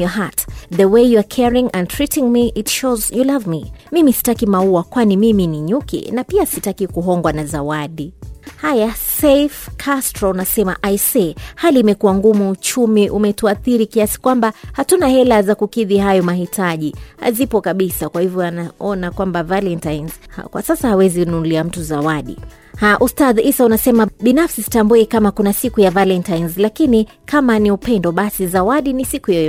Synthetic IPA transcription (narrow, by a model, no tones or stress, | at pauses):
ɔɦatðəwejuakʰɛɹĩŋɛ̃ntʰɹitiŋmiʔitʃozjulavmimimisi̥takimauakwanimiminiɲukḭnapiasitakikuɦɔŋɡwanazawaɗihajasɛfkʰastɾɔnasɛmaʔajsɛhaliːmɛkuwaŋɡumuːt͡ʃumiʔumɛtuaθiɾikiasi̥kwambahatunahɛlazakukiðiɦajɔmaɦitʰaʄiha̰zipɔkaɓisakwahivjɔanaɔnakwambavalɛntajnzhkwa̰sasahawɛzinunliam̩tuzawaɗḭ | haʔustaðisaunasɛmaɓinafsisi̥tambuɛkamakunasikujavalɛntajnzlakini | kʰamaniupɛndɔɓasizawaɗinisikujajɔ